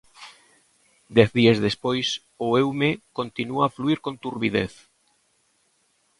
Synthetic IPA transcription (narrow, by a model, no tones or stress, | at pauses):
d̪ɛθðiazðespojs | ʊewmekont̪inuaːfluiɾkõnt̪uɾβiðeθ